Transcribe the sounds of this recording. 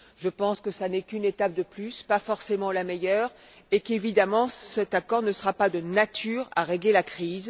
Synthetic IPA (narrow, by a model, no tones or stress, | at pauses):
ʒəpɑ̃skəsanɛkynet̪ap̚d̪əplyspafɔʁsemɑ̃lamɛjœːʁ | ekevid̪amɑ̃sɛt̪akɔʁnəsəʁapad̪ənat̪ʰyːʁa̰ʁeɡlelakχiːz